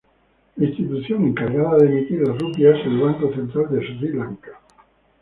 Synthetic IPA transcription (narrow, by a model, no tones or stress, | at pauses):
laĩst̪it̪uθjoŋeŋkaɾɣaðaðemit̪iɾlasrupjazðelβaŋkoθent̪ɾald̪esilaŋkḁ